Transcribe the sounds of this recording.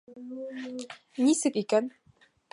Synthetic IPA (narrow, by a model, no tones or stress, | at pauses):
nisɘkikæn